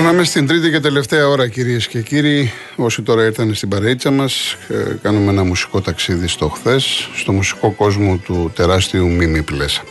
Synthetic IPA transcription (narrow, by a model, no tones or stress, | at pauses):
nɐme̞st̪ind̪ɾit̪ice̞t̪e̞le̞ft̪e̞ɐo̞ɾɐciɾie̞sce̞ciɾiː | o̞sit̪o̞ɾɐiɾθɐne̞st̪ibɐɾɐit͡sɐmɐskɐnumeenɐmusi̥ko̞t̪ɐksiðist̪o̞xθe̞sːt̪o̞musi̥ko̞ko̞zmo̞t̪ut̪e̞ɾɐst̪iumimiples